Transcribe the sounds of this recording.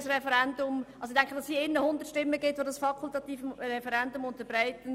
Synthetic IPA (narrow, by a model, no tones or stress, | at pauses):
srɛfɛɾɛndʊmɑlsoɪd̥̪æŋkχədɑsiɪnːəhʊnd̪ətʃtɪmːəɡɪtʋodɑsfɑkʰʊltɑt̪iːfmɾɛfɛɾɛndʊmʊnt̪əbɾaɪtən